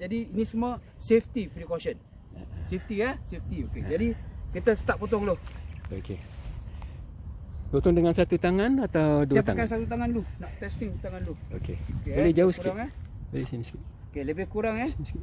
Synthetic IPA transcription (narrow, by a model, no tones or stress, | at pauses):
d͡ʒadiːnisəmə | seft̪ipɾikosən | seft̪iahseft̪ioked͡ʒadikit̪asə̥t̪aʔ̚pot̪ɔŋloho̰ke | tot̪ɔŋdəŋansat̪ut̪aŋanat̪awduapakansat̪ut̪aŋanlunɔʔt̪ɛst̪iŋt̪aŋanluo̰kḛkebolɛhd͡ʒauskkiaŋɛbolɛsiniski | okeləbɪhkuɾaŋɛs